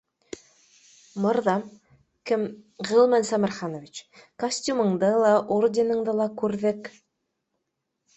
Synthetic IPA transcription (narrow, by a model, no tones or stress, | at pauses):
mɤ̆ɾðɑm | kɘmʁɤ̆lˠmɘnsɑmæ̆ɾχɑnovʲit͡ɕkɐsʲtʲumɤ̆ɴd̪ɤlˠɑʔordʲɪnɤ̆ɴd̪ɤlˠɑkʉɾðɘk